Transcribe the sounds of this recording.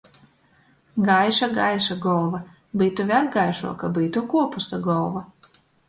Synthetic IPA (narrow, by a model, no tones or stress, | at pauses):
ɡajʃaɡajʃaɡɔlˠva | biːt̪uvʲaɾɡajʃṵɔkabiːt̪ukuɔpust̪aɡɔlˠva